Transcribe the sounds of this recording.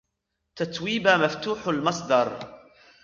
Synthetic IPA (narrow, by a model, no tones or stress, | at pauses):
t̪at̪wiːbamaft̪uːħalmɑsˤd̪ɑɾˤ